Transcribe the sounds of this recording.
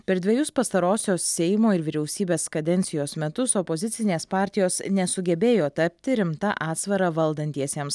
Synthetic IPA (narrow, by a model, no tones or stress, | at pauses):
pʲɛɾd̪ʲʋʲɛjʊspɐst̪ɐɾoːsʲoːssʲɛɪmoːɪɾʋʲɪɾʲɛʊsʲiːbʲeːskɐd̪ʲɛnʲt̪sʲɪjoːsmʲɛt̪ʊsɔpozʲɪt̪sʲɪnʲeːspɑːɾʲt̪ʲɪjoːsnʲɛsʊɡʲɛbʲeːjoːt̪ɐpʲt̪ʲɪɾʲɪmt̪ɐʔɑːt̪sʋɐɾɐʋɐlˠd̪ɐnʲt̪ʲiɛsʲeɛms